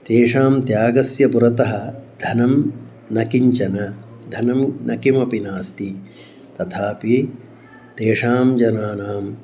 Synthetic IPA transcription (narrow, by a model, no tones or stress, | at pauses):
t̪eːʂaːmt̪jaːɡɐsjɐpuɾɐt̪ɐɦɐd̪ʱɐnɐm | nɐkiɲt͡ʃɐnɐ | d̪ʱɐnɐmnʔɐkimɐpinaːst̪i | t̪ɐt̪ʰaːpi | t̪eːʂaːmd͡ʒɐnaːnaːm